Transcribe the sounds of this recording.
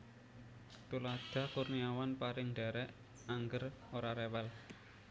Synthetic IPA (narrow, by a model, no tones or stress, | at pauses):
t̪ulad̥a̤kurniawanpaɾɪŋɖ̥ɛ̤ɾɛʔ | aŋɡəroɾaɾewɛl